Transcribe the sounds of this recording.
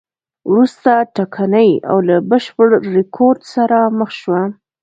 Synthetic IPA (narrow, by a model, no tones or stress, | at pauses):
wɾust̪aʈakʰanəja̰wlabəʃpəɽːɪkʰoɾd̪saɾaməxʃwa